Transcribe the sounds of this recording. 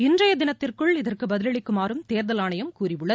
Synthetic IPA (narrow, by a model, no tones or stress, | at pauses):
ɪndrɐjɐd̪ɪnɐt̪ːɪrkɯɭɪðɐrkɯbɐðɪlɐɭɪkːɯmaːɾɯmt̪eːɾðɐlaːɳɐjɐmkuːrɪʋɯɭːɐ